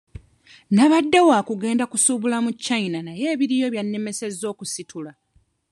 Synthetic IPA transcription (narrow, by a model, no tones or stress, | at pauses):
naβadːewaːkuɡe̞ːndakusuβulamucːainanaje̞ːβiɾijo̞βjanːe̞me̞se̞zːo̞ːkusitʰula